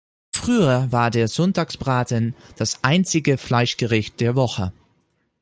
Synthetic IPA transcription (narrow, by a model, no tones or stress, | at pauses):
fʁ̥yːɐvaːɐdeːɐzɔntaːksb̥ʁaːtənd̥asʔaɪnt͡sɪɡəflaɪʃɡ̥əʁɪçt̚d̥eːɐvɔχə